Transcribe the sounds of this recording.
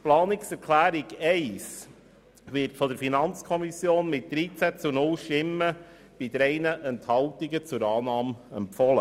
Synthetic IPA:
plɑːnɪksɛɾkʰlæːɾiɡɛɪs | vɪɾtfɔd̥əɾfinɑnt͡skʰɔmisjoːnmɪt̚d̥̪ɾiːt͡sæt͡sunʊlʃtɪmːə | b̥ɪd̪ɾɛɪnəʔɛnthɑltiɡət͡sʊɾɑːnɑːmɛ̰mpfɔlə

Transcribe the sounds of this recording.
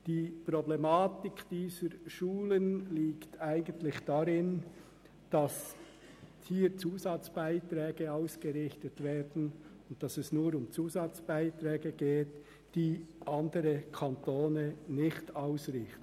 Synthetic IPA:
d̥iːpɾɔblɛmaːtɪkd̥iːzəɾʃuːlənliːktaɪɡəntlɪçd̥aɾɪn | d̥ɑs | hiːɾt͡suːzɑt͡sb̥aɪtɾɛːɡ̥əaʊsɡ̥əɾɪxtətv̥ɛːdn̩ʊnt̚d̥ɑsɛsnuːɾʊmt͡suːzɑt͡sb̥aɪtɾɛːɡəɡ̥eːt | d̥iːʔɑndəɾəkʰɑntoːnənɪçtɑʊsɾɪxtn̩

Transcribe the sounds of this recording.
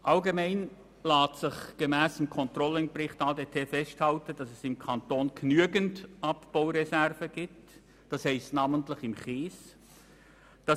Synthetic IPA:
ʔɑlɡemɛɪn | laːtsɪχɡ̥əmɛːsɪmkʰɔntrɔlɪnbrɪχtɑːdeːtʰeːfɛsthɑltəd̥ɑsɛsɪmkʰɑntoːnɡ̥nyəɡəndʔɑpb̥aʊɾɛsɛrvəɡ̥iːp̚tt | d̥ɑshɛɪstnɑːməntlɪχɪmχiːs | d̥ɑ

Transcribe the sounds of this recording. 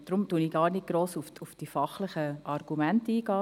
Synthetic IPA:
d̥ɾʊmtuːniɡɑːɾnɪt̚ɡ̥ɾoːsufufd̥ifɑχləχəʔɑrɡ̥umæntiːɡɑː

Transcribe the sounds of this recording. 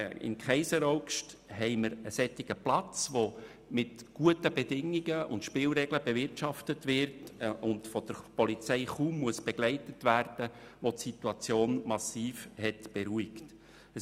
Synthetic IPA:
ɪ̰nkχɛɪsəɾɔʊkʃthɛɪməɾəsɛtiɡ̥əplɑt͡sʋo | mɪtɡ̥uətəbɛdɪŋːiɡəʊ̰ntʃpɪːlɾɛɡləbɛvɪrtʃɑftətʋɪɾtʊndfɔd̥əɾpɔlit͡sɛɪχuːmːuəsb̥ɛɡ̥lɛɪtətvæːrd̥əʋotsituɑt͡sjoːnmɑsiːfhɛtb̥ɛɾuikt | ə

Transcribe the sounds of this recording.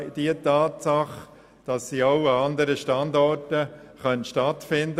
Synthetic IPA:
d̥iətɑːtsɑχ | d̥ɑsːiːaʊɑɑndəɾəʃtɑndɔrtə | χœntʃtɑtfɪnd

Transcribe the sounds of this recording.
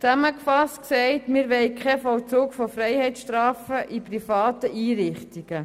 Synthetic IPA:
t͡sæməkfɑstksɛɪtmɪɾʋɛɪkʰχɛfɔwt͡suːkfofɾɛɪhɛjsʃtɾɑːfəʔiprifɑːtəʔiːɾɪχt̪iɡ̥ə

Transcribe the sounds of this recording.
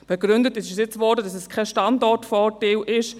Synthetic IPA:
b̥ɛɡɾʏndətɪsɪʃəsjɪt͡svɔdədɑsɛskʰɛʃtɑndɔtfɔːtelʔɪʃ

